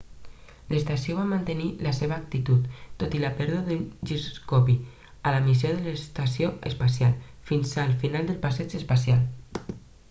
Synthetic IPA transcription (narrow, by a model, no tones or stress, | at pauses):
ləst̪asioβ̞amənt̪əniləseβəːk̚t̪it̪ut̪ːot̪iləpɛɾðuðaðunʒizuskopi | aləmisjoðələst̪asjoə̰spas̬ialˠfinzalˠfinalˠd̪əlˠpasɛt͡ʃəspasial